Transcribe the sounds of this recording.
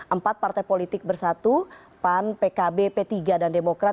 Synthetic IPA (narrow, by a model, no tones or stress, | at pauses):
ʔəmpat̪̚part̪ajpolit̪ɪk̚bərsat̪u | panpekabepet̪iɡadandemokɾa